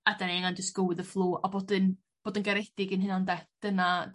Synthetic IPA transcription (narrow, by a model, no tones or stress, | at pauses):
adaneŋandɪsɡ̥əwɪðəflˠuːʔabɔdɨn | b̥oːdɪnɡɛɾedɪɡənɦɨnandɛθd̥əna